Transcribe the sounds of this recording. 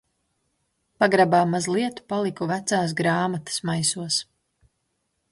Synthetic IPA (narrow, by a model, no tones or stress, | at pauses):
paɡɾabaːmazlˠiɛt̪u̥palˠikuvæt̪saːs̬ɡɾaːmat̪ə̥smajsuɔs